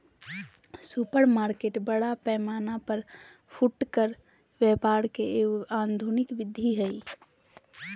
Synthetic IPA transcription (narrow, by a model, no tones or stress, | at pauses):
supəɾmaːɾkeʈbəɽapɛːmanapəɾ | pʰuʈkəɾ | ʋɛpaɾkeand̪ʱunɪkʋɪd̪ʱːiɦəi